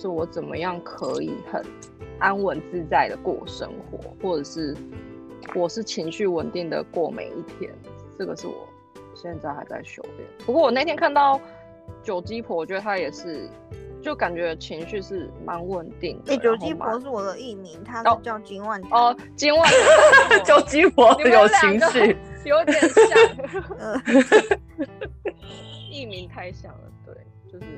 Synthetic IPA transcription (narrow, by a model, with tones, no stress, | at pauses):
ʂ̩˥˩wɔ˧˩˦t͡sə˨˩nmə̰˦jɑ˥˩ŋkʰə̰˧˦ḭ˨˩xə̰˨˩n | ʔa˥nwə˧˦nt͡sɹ̩˥t͡sa˥˩ɪd̪ə˩kwɔ˥˩wʂə̰˥ŋxwɔ̰˧˥˦xwɔ˥˩ʈ͡ʂɤ˨˩ʂɻ̩˥˩ | wɔ˨˩ʂɻ̩˥˩t͡ɕʰi˧˥ŋɕy˥˩wə˨˩nt̪i˥˩ŋd̪ə̰˩kwɔ˥˩mḛ˨˩ɪḭ˥˩t̪ʰjɛ̰˥n | ʈ͡ʂɤ˥˩ɡə̰˩ʂɻ̩˥˩wɔ̰˨˩ | ɕjɛ˥˧nt͡sa˥ɪxa˧ɪt͡sa̰˥˩ɪɕjo˧˥ʊp̪jɛ̰˥˩pu˧kwɔ˥˩wɔ˨na˥˩t̪ʰjɛ˥nkʰa˥˧nt̪ɑ˥˩ʊ | t͡ɕjo˨˩ʊt͡ɕi˥pʰwɔ˧˥wɔ˨˩t͡ɕɥɛ˧˦d̪ə˧t̪ʰa˥jɛ˨˩ʂɻ̩˥˩ | t͡ɕjo˥˩ʊka˨˩nt͡ɕɥɛ˧˥˧t͡ɕʰi˧˥ŋɕy˥˧ʂɻ̩˥˩ma˧˦nwə˥˨nt̪i˥˩ŋd̪əe˥˩t͡ɕjo˨˩ʊt͡ɕi˦˥pwɔ˧˦ʂ̬ɻ̩˥˩wɔ˨˩d̪ə˦i˥˩mi˨˥ŋt̪ʰa˥˩t͡ɕɑ˥˧ʊt͡ɕi˥nwa˥˨˩nɔ˩ | t͡ɕi˥nwa˥˩nt͡ɕɑ˥˩ʊt͡ɕi˦˥pʰwɔ˧˦jo˨˩ʊt͡ɕʰi˧˥ŋɕy˥˨jo˧˦ʊ˥ɛ˨˩ | i˥˩mi˧˦ŋt̪ʰa˥˧ɪɕjɑ̰˨˩ŋd̪ə̰˩t̪wḛ˥˩ɪ | t͡ɕjo˥˧ʊʂɻ̩˥˨˩